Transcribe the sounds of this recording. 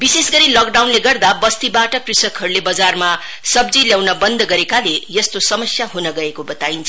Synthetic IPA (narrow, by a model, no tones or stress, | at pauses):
bisesɡʌɾilʌk̚ɖawnleɡʌrd̪abʌst̪ibaʈʌkrisʌkʰɦʌɾulebʌd͡zarma | sʌbd͡ziljawnʌbʌnd̪ʌɡʌɾekalejʌst̪osʌmʌsjaɦunʌɡʌekobʌt̪aint͡sʰʌ